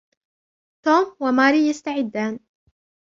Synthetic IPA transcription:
t̪oːmwamaːɾiːjast̪aʕɪd̪ːaːn

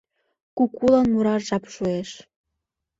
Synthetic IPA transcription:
kukulənmuɾɑrʒɑpʃueʃ

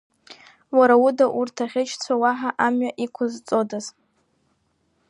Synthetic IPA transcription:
waɾaudaʔurtʰaχʲɪt͡ʃʰt͡sʷʰawaħaʔamɥaʔikʷʰʊzt͡sʼo̞daz

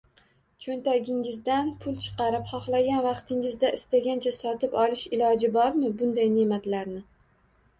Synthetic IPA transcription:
t͡ʃʰont̪aɡʲɪŋɪzd̪anpʰʊlˠt͡ʃʰɨ̥qɑɾɪpχɒχlˠaɡʲanvɑqt̪ʰɪŋɪzd̪aʔɪst̪aɡʲant͡ʃʰasɒt̪ɪpɒlˠɪʃɪlɒd͡ʒɪbɒɾmɪbʊnd̪ajne̞mat̪laɾnɪ

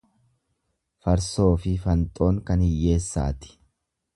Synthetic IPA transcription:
fɐɾso̞ːfɪfɐnt̪ʼo̞ːŋkɐnhɪjːe̞ːsːa̰ːt̪ɪ̥

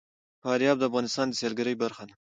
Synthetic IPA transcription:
fɑɾjɑb̚d̪əafɣɑnɪst̪ɑnd̪əselɡaɾəjbaɾxana

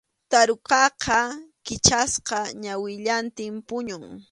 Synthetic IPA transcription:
t̪aɾoqɑqʰɑkɪt͡ʃasqɑɲawɪʎant̪ɪmpʊɲʊŋ

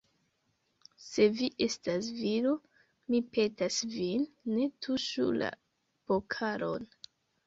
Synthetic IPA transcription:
se̞viʔe̞stasviɾo | mipe̞tasvinːe̞tʰuʃṵla̰ | pokʰaɾo̞n

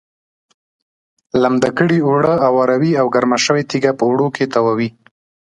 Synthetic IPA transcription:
lamd̪akəɽiwɽəawaɾawiawɡaɾmaʃəwet̪iɡapəwɽokʰet̪awawi

